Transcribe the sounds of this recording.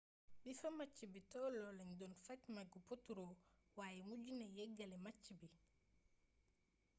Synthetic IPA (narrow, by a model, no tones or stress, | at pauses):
bifɐmɐcːibitɔlɔlɐɲdɔnfɐcmɐɡupotːuɾowaːjɛmuɟunɛjɛɡːɐlɛmat͡ʃːibi